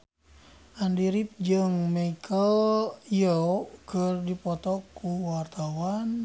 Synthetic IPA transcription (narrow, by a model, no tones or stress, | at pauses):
ʔandiɾip̚d͡ʒɨŋmeikʰəlijəkərdipɔt̪ɔkuwart̪awan